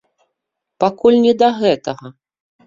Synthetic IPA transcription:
pakulʲnʲɛd̪ɐɣɛt̪ɐɣɐ

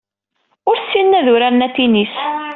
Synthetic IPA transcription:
ʊɾsːinːæðʊɾæɾnæt̪ːinis

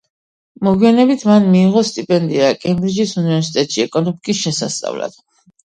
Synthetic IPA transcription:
mɔɡwianɛbit̪ʰmanmiːʁɔst̪ʼipʼɛnd̪iakʼɛmbɾid͡ʒisunivɛɾsi̥t̪ʼɛt̪ʼʃiɛkʼɔnupkʼisʃɛsa̰st̪sʼa̰vla̰d̪̥

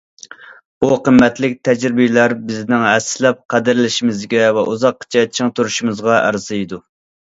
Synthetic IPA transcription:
b̥uqʰəmːɛt̪lɪk̚ʲt̪ʰɛd͡ʒɾɪbɪjlæɾbɪznɪŋɦɛsːɪlɛp̚qʰæd̪ɪɾɪlɪʃimɪzɡʲɛvɛʔuzɑqːt͡ʃʰɛt͡ʃʰiŋt̪ʰuɾuʃumɨzʁɑʔæ̰ɾz̥ɨjd̪u

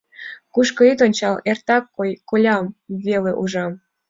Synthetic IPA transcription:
kuʃkɤ̆it̪onʲt͡ɕɑlert̪ɑkːojkolʲɑmβeleʔuʒɑm

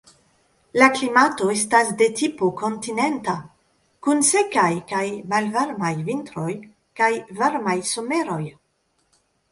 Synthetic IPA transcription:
laklimato̞estasde̞tipoko̞ntine̞nta | kunse̞kajkajmalvaɾmajvintɾo̞j | kajvaɾmajso̞me̞ɾo̞j

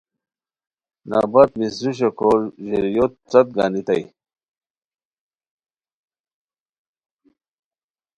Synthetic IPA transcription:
na̰ːbat̪misɾuɕ̬ekʰoɾʑeɾjot̪̚t͡sɐt̪̚ɡa̰ːnit̪a̰j

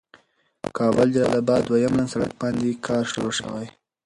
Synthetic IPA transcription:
kɑbəld͡ʒalɑ̰labɑd̪wajamlansaɽa̰k̚bɑnd̪ekʰɑɾʃoɾoʃə̰wa̰j

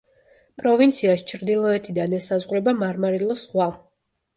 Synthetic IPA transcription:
pʼɾɔvint̪sʰiast͡ʃʰɾd̪ilˠɔɛt̪ʰid̪anɛsazʁɾɛbamaɾmaɾilˠɔsχwa

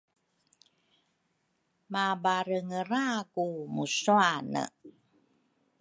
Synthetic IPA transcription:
mabaɾəŋəɾakumusuanə̰

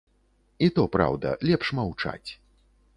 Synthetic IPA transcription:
it̪ɔpɾa̰wd̪ɐ̰lʲɛpʂmawt͡ʂa̰t͡sʲ

